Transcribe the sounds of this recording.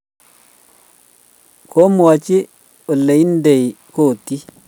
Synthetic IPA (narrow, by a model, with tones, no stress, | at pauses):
kʰɔ˦mu˨wa˨t͡ʃi˦ | ɔ˨lːe˨i˦ndɛ˨j | ko˨tːi˦